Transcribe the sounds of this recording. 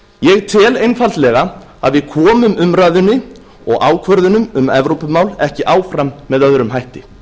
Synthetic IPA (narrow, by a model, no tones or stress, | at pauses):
jɛɣt̪ʰɪlejnfalt̪lɛːɣa | a̰ðvɪðkʰɔːmʏmʏmɾaːðʏnːɪ | ɔɣaːwkʰvœɾðʏnʏmʏmɛvɾowpʏmaːwlɛhcɪʔaːwfɾamːɛðœðʏɾʏmɦajht̪ɪ